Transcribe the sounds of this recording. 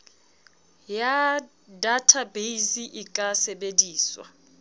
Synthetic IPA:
ja | datʰabeisiʔɪkʼasɛbediːswa̰

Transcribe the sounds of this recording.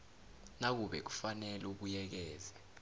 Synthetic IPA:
nak̬uɓɛ̰k̬u̥fanɛluk̬ujɛk̬ɛːzɛ

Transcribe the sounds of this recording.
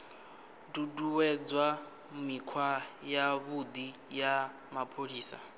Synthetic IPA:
duduwɛd͡zwa | mikʰwajaβud̪ija | mapʰoɺiːsa̰

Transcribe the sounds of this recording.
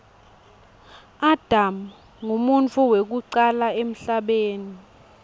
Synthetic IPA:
ad̥ʱam | ŋumunt͡fʰʼuwek̬uǀalaem̩ɬaɓeːni

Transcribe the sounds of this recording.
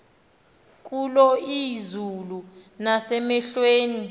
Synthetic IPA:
k̬ʼulɔizulunasɛmɛɬweːni

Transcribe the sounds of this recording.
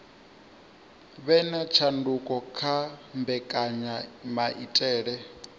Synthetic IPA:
βɛnat͡ʃʰandukʼɔkʰambɛkʼaɲamaʔitʼɛːɺɛ

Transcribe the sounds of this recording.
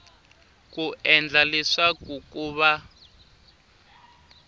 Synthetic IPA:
kuʔɛnd͡ɮaliʂakukuːβa

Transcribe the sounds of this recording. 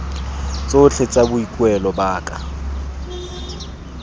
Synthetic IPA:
t͡sʼot͡ɬʰet͡sʼabʊikʼwɛlɔbaːkʼa

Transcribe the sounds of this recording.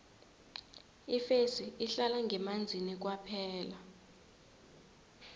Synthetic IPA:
ifesiiɬalaŋʱɛmand͡zʱinik̬wapʰɛːla

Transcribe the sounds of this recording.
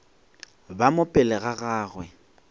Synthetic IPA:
bamʊpʼɪlɛɣaɣaːɣwɛ

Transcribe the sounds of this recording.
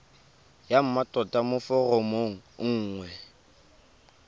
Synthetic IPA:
jam̩matʼɔtʼamʊfʊromoŋ̩ŋ̩ːŋwɛ

